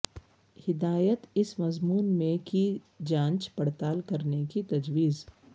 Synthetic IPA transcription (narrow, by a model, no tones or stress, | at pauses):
hɪd̪aːjət̪ɪsmɐzmuːnmẽki | d͡ʒãːnt͡ʃpɐɽt̪aːlkɐɾnekit̪ɐd͡ʒwiːz